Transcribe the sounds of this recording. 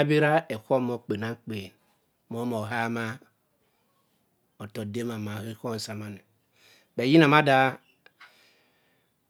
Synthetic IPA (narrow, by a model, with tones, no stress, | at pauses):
bi˦ɾa˦e˨kʷo˦mo˦k͡pe˨na˦ŋ͡mk͡pe˨n | mo˦mo˨ɦa˦ma˦ | o˨to˨de˦ma˨ma˨he˦ko˦n̩˨sa˨ma˦ne˨ | be˨ji˦na˨ma˦da˦